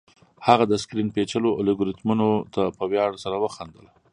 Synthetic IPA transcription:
haɣad̪əskɾinpet͡ʃəlolɪɡʊɾɪt̪munot̪apəwjɑɽsaɾawəxand̪əl

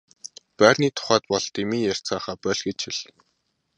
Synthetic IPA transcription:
pæːrniːt̪ʰʊ̥χæːt̪̚pɔɮt̪emiːjær̥t͡saːχaːpœːɮɡĕt͡ɕʰxiɮ

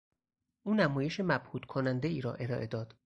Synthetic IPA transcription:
ʔuːnæmɒːje̞ʃemæb̥huːd̪kʰonænd̪e̞iːɾɒ̰ːʔe̞ɾɒ̰ːʔe̞d̪ɒːd̪̥

